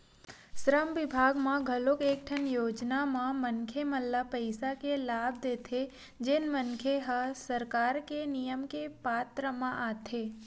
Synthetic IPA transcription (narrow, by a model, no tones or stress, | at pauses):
sɾəmʋɪbʱaɡmãɡʱəlokek̚ʈʰənjoːd͡ʒnamãmənkʰeməlːapəɪsakelaːb̚ʱd̪et̪ʰe | d͡ʒenmənkʰeɦəsəɾkaːɾkenijəmkepat̪ɾəmãʔat̪ʰe